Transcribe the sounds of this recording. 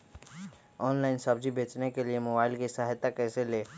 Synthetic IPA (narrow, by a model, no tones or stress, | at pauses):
ɔːnlaːɪnsɐbd͡ʒibeːt͡ʃnekeliemoːbaːɪlkisaɦjt̪ːakɛːseleː